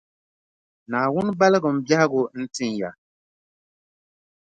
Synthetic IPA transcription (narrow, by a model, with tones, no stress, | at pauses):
naː˨wʊ˦n˦ba˦lɨ˦ɡʊ˨m̩˦ba˦hɡʊ˨n̩˦tɨ˦nja˨